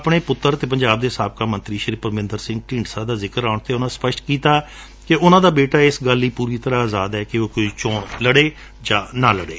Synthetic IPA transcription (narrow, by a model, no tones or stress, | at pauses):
əpɽeːpʊt̪ːəɾt̪eːp̬əɲd͡ʒaːb̚d̪eːsaːb̚kaːmənt̪ɾiːʃɾiːpəɾmɪ̃nd̪əɾsɪ̃ŋɡʈɪ̃ːɳɖsaːd̪aːzɪkəɾaːʊɳt̪eːʊnãːspəʃʈ̪kiːt̪aː | kɪʊnãːd̪aːbeːʈaːɪsɡəlːiːpuːɾiːt̪əɾãːaːzaːd̪ɛːkɪoːkoiːt͡ʃoːɳləɽeː | d͡ʒãːnãːləɽḛː